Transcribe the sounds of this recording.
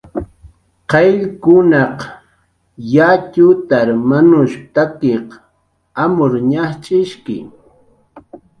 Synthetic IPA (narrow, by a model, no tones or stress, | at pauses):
qɑjʎkʊnɑq | jacʊt̪aɾmanʊʃt̪akeq | amʊɾɲaχt͡ʃʼɪʃkɪ̰